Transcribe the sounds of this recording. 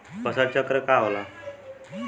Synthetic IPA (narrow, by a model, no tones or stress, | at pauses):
pəsat͡ɕakɾəkaʋla